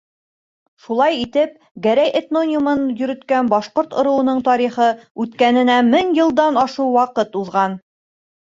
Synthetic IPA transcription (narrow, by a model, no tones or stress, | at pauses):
ʃulˠɑjit̪ɘp̚ | ɡæɾæjʔet̪nonʲumɤnjɵ̆ɾɘ̆t̪kænbɒʃqoɾt̪ŏɾɤ̆wɤ̆nɤɴt̪ɒɾiχɤʉt̪kænɘ̆næmɘŋjɤ̆lˠd̪ɑnɑʃuwwɑqɤt̪uðʁɑn